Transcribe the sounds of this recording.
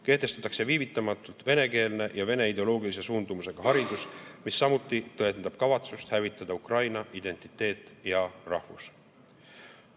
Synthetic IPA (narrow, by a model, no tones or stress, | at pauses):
ke̞ht̪e̞st̪ɑ̥t̪ːˑɑkse̞viːvit̪ːˑɑmɑt̪ːˑult̪ve̞ne̞ke̞ːlne̞jɑve̞ne̞id̪e̞o̞lo̞ːɡilis̬e̞suːnd̪̥umuse̞ɡ̥ɑɦɑɾid̪̥usmisːɑmut̪ːˑit̪ɤe̞nd̪ɑb̥kɑvɑt̪sust̪hævit̪ːˑɑd̪̥ɑukrɑjnɑʔid̪̥e̞nt̪ˑi̥t̪ːˑe̞ːt̪ːˑjɑrɑhvus